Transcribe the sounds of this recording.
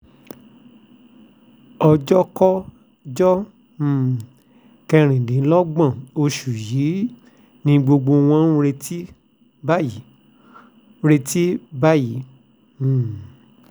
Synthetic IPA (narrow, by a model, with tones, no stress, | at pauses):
ɔ˧d͡ʒɔ˦kɔ˦ | d͡ʒɔ̃˦˨ | kɛ˧ɾ̃ĩ˨dĩ˨˦lɔ˦ɡ͡bã˦˨o˧ʃu˨ji˨˦ | nĩ˧ɡ͡bo˧ɡ͡bo˧w̃ɔ̃˧˦ũ˧ɾe˧ti˦ | ba˦ji˨˦ | ɾe˧ti˦ba˦jĩ˨˦˨